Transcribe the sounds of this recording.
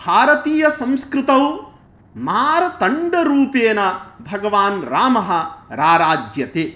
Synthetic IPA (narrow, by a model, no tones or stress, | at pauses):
bʱaːɾɐt̪iːjɐsɐ̃m̃skɾɪt̪ɐw | maːɾɐt̪ɐɳɖɐɾuːpeːnɐbʱɐɡɐʋaːnɾaːmɐɦɐ̆ɾaːɾaːd͡ʒjɐt̪eː